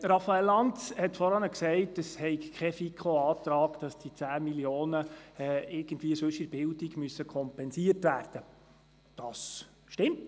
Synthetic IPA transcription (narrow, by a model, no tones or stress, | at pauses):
ɾɑfɑɛlːɑnthɛtfɔɾɑnəksɛɪtəshɛɪkkʰɛfikʰχoɑːtɾɑːɡd̥ɑsd̥it͡sæːmiljoːnəɛɪɾɡ̥əndʋiːəsɵʃɪɾb̥ɪldiɡmyəsːəkʰɔmpɛnsiərtvæːrd̥ə | d̥ɑs | ʃtɪmt